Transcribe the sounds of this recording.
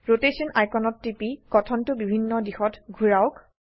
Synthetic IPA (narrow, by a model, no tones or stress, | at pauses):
ɹotesɔnʔajkɔnɔtːipikɔtʰɔntʊbibʱinːɔdixɔtɡʱuɹaʊk